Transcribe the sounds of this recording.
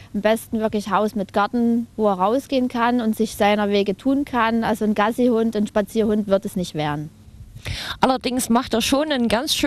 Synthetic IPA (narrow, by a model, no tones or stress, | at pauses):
ʔambɛstn̩vɪɐklɪçhaʊsmɪtɡ̥aɐtn̩voːeːɐʁaʊsɡ̥eːənkʰanʊntz̥ɪçz̥aɪnɐveːɡətʰuːnkʰanʔalzonɡ̥azihʊntʊnʃpat͡siːɐhʊntv̥ɪɐtɛsnɪçtv̥eːʁən | ʔalɐdɪŋsmaχteːɐʃoːnənɡant͡sʃ